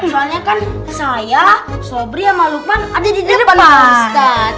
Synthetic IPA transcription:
kuɾaɲakan | sajasobɾiamalukanadadidipanaast̪at̪

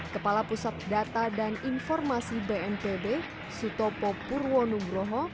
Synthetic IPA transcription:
kəpalapusat̪̚dat̪adaninfɔrmasibeɛnpebe | sut̪ɔpɔpurwɔnubɾɔɦɔ

